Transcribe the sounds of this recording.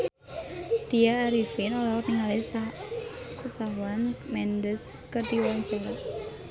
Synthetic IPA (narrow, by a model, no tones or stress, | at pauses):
d̪̥iaːɾifɪnolaɔrniŋalesa | sawanmɛnd̪əs | kərd̪iwant͡ʃaɾa